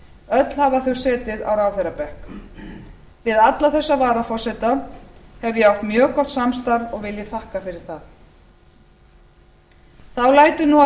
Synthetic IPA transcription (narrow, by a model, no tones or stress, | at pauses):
œt̪l̥havaθœwsɛːt̪ɪða̰wɾaːwθeɾapɛhk | vɪðat̪laθɛsːavaːɾafɔr̥sɛt̪ahɛvjɛawht̪mjœːkɔht̪samst̪aɾðɔɣvɪljɛθahkafɪɾɪɾ̥θað | θawlaːjt̪ʏnua